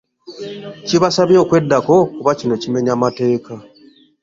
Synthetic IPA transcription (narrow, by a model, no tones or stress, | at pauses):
ciβasaβjo̞ːkwe̞dːako̞kuβacino̞cime̞ɲaːmate̞ːka